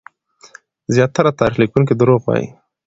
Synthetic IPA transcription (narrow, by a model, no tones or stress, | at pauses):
zjɑt̪aɾat̪ɑɾixlikuŋk̬id̪əɾoɣwɑ̰jḭ